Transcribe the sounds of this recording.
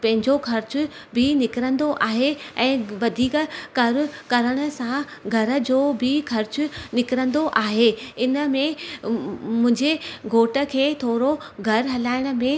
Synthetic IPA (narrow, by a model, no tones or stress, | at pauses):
pɐ̃ɦɪ̃ɲd͡ʑoxʰɐɾt͡ɕʊ̆bʱɪnɪkɾə̃nd̪oʔaːɦeɛ̃ːʋɐd̪ʱiːkəkɐɾ̆kɐɾəɽ̃ə̆sãɡʱɐɾə̆d͡ʑoːbɪxʰɐɾt͡ɕʊnɪkɾə̃nd̪oʔaːɦeɪnəmẽ | mʊ̃ɦɪ̃ɲd͡ʑeɡʱoːʈə̆kʰeːt̪ʰoːɾo | ɡʱɐɾɦɐlaːɪɽ̃ə̆mẽ